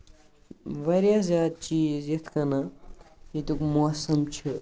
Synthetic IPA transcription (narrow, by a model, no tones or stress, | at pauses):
ʋɐɾjazʲaːd̪̚t͡ʃiːzjet̪ʰkɐna | it̪ukmosɐmt͡ʃʰi